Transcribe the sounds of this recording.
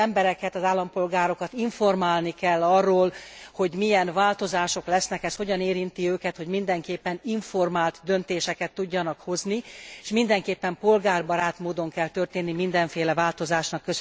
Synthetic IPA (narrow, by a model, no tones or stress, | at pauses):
ɛmbɛɾɛkɛt̪ɒzaːlːɒmpo̞lɡaːɾo̞kɒt̪iɱfo̞rmaːlnikɛlːɒrːoːlho̞ɟmijɛnvaːlt̪o̞zaːʃo̞klɛsnɛkɛsho̞ɟɒneːɾint̪iøːkɛt̪ho̞ɟmind̪ɛŋkeːpːɛniɱfo̞rmaːlt̪d̪ø̞nt̪eːʃɛkɛt̪ːuɟːɒnɒkho̞znieʃmind̪ɛŋkeːpːɛmpo̞lɡaːrbɒɾaːt̪moːd̪o̞ŋkɛlt̪ø̞rt̪eːnːimind̪ɛɱfeːlɛvaːlt̪o̞zaːʃnɒkːøz